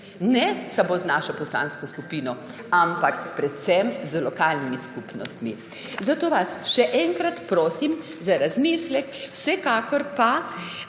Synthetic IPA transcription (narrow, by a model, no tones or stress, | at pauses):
nɛsamoːznaʃɔpɔsla̰ːnskɔskupiːnɔ | ampakpɾɛt̪sɛmzlɔkaːlnimiskupnɔ̰st̪mi | zat̪oːʋasʃɛʔɛŋkɾat̪pɾoːsim | zaɾazmislɛkwsɛkaːkɔɾpa